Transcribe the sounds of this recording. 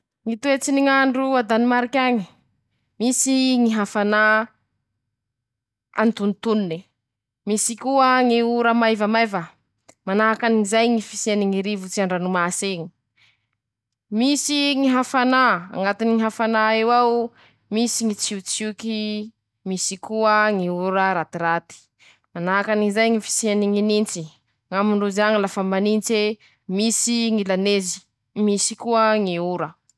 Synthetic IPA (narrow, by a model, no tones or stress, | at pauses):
ŋit̪uet͡siniŋaɳɖ͡ʐuad̪animaɾikʲaŋi | misiŋiɦafana | a̰nt̪unt̪unini | misikuəŋiuɾamajvamajvə | manaɦakaniizajŋifiseniŋiɾivut͡siaɳɖ͡ʐanumaseŋi̥ | misiŋiɦafanaa̰ŋɡat̪iniŋiɦafanaewaw | misiŋit͡siut͡suki | misikuəŋiuɾəɾat̪iɾat̪i̥ | manaakanizajŋifi̥sianiŋinint͡si | ŋamuɳɖ͡ʐuzaŋilafamanint͡se | misiŋilanezi̥ | misikuəŋiuɾə